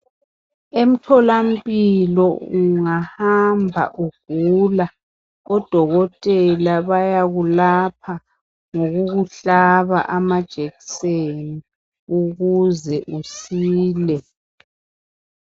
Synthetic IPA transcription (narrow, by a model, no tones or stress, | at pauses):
em̩tʰɔlam̩pʼilɔuŋahambʱa̰ʔuɡ̥ʱula | ɔd̥ʱɔɣɔtʼɛlaβajaɣulap̚ʰa | ŋoɣuɣuɬaβa̰ʔamad̥ʒ̥ʱeɣi̥seni | uɣuzɛʔusiːlɛ